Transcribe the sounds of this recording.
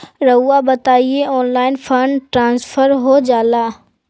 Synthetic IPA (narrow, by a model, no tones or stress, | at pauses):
ɾɐuabɐt̪aːieɔːnlaːɪnfʰəɳɖʈɾãːnsfʰəɾɦod͡ʒaːlaː